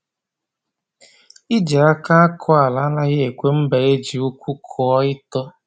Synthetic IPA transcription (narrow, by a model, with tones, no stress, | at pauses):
i˦d͡ʒe˨a˦ka˦a˦kʰɔ˦a˨la˨˦na˦ɣɪ˦e˨kʷe˦m̩˦be˨e˦d͡ʒi˨ʊ˦kʷu˦kʰɔ˨ɔ˦ɪ˦tɔ˦